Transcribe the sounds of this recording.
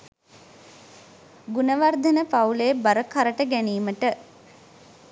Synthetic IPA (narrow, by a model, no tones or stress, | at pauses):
ɡunəʋard̪ənəpaulejbaɾəkʰaɾəʈəɡæniːməʈə